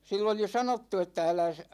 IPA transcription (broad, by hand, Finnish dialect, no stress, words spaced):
silː oli sɑnotːu etːæ ælæs